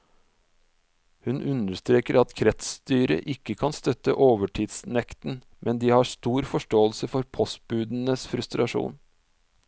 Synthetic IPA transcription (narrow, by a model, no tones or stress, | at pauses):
hʉnʔʉnd̪əst̪ɾeːkəɾʔɑt̪kʰɾɛt̪st̪yːɾə̰ʔɪkːəkʰɑnst̪œt̪ə̰ʔoːʋəʈʰiːd̪snɛkt̪n̩ | mʔɛnd̪iːhɑːst̪uːɾfɔʂʈoːəlsəfɔɾpʰɔs̚bʉːd̪n̩əsfɾʉst̪ɾɑʂṵːn